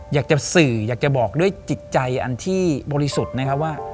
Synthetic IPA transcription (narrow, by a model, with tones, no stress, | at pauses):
jaː˨˩k̚t͡ɕa˨˩sɯː˨˩jaː˨˩k̚t͡ɕa˨˩bɔː˨˩k̚du˥˩əjt͡ɕi˨˩t̪̚t͡ɕa˧jʔa̰˧nt̪ʰiː˥˩bɔː˧ɾi˦su˨˩t̪̚na˦˥kʰa˦˥p̚waː˥˩